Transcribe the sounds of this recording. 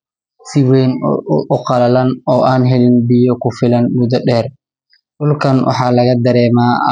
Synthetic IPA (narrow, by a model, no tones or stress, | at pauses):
sɪwɛːnʔʊqɑlɐlɐnɔːʔaːnɦɛlɪnbɪjɔkʰʊfɪlɐnmʊd̪ɐɗɛːr | ɗʊlkʰɐnwʔɑ̰ħɑːlɐɣɐd̪ɐɾɛːmaː